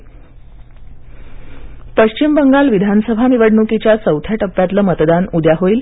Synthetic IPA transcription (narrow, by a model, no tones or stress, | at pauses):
pəɕt͡ɕimbəŋɡalʋid̪ʱansəbʱaniʋəɽɳukit͡ɕjasəwt̪ʰjaʈəpːjat̪ləmət̪d̪anud̪jaɦoiːl